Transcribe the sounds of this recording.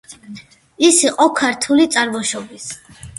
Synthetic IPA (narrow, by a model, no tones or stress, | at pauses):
isiqʼɔkʰaɾt̪ʰulit̪sʼaɾvɔʃɔbis